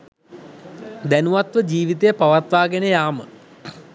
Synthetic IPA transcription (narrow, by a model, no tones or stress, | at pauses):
d̪ænuʋɐt̪ʋəd͡ʑiːʋit̪ejɐpɐʋɐt̪ʋaːɡenɐjaːmə